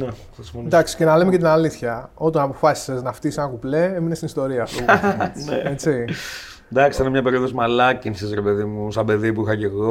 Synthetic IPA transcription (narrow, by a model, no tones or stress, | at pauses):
nexisifond̪ɐksi̥ce̞nɐle̞mece̞t̪inɐliθçɐo̞t̪ɐnɐpo̞fɐsi̥seznɐft̪isenɐkuple̞eminest̪inist̪o̞ɾiɐsueet͡si | d̪ɐksi̥ɐnemɲɐpe̞ɾioðozmɐlɐcinsizɾepe̞ðimusɐbe̞ðipuixɐceɣo